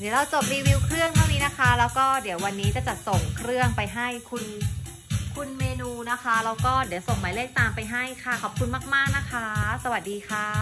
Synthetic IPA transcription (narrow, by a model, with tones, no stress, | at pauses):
d̪i˨˩˦əwɾa˧wt͡ɕo˨˩p̚ɾiː˧wiː˧wkʰɾɯ˥˩əŋt̪ʰa˥˩wniː˦˥na˦˥kʰa˦˥lɛː˦˥wkɔː˥˩di˩˦əwa˧nːiː˦˥t͡ɕa˧˩t͡ɕa˨˩ʔ̚so˨˩ŋkʰɾɯ˥˩əŋpa˧jɦa˥˩jkʰu˧n | kʰu˧nmeː˧nuː˧na˦˥kʰa˦˥ɾaː˦˥wkɔː˥˩d̪i˨˦əwso˨˩ŋmaː˨˩˦lɯ˥˩ək̚t̪aː˧mpa˧jɦa˥˩jkʰa˥˩kʰɔː˨˩p̚kʰu˧nmaː˥˩k̚maː˥˩k̚na˦˥kʰa˦˥sa˧wa˨˩t̪̚diː˧kʰaː˥˩